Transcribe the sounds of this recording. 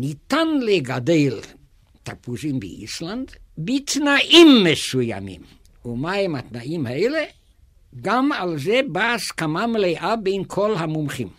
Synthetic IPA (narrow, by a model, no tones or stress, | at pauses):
nit̪anleɡad̪el | t̪apuzimbḛʔḭsland̪bet̪naʔimːesuja̰mḭm | umaemhat̪naimhaele | ɡamalzebaːskamamlejʔabejnkʰolɦamumχim